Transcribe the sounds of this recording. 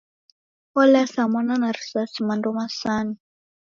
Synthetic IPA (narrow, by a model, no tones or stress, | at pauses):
ɔlasamɔnanaɾisasimandɔmasani